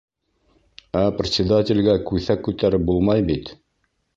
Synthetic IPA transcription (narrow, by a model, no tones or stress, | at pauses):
æprʲɪt̪sʲɪd̪atʲɪlʲɡækʉθækːʉt̪æɾɘp̚bulˠmɑjbit̪